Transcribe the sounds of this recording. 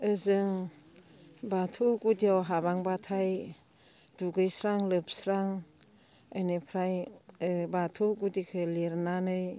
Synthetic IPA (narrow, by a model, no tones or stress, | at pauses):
ɯzɯŋ | batʰuɡudiawɦaβaŋbatʰaj | d̥uɡɯjsɾaŋlɯp̚sɾaŋ | ajnɯpʰɾajɯbatʰuɡudikʰɯleɾnanɯj